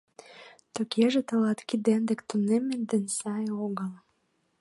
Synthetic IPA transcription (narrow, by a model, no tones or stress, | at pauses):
t̪okʰeʒet̪ə̆lɑt̪kid̪end̪ĕkt̪unemend̪ĕnsɑjoɣəl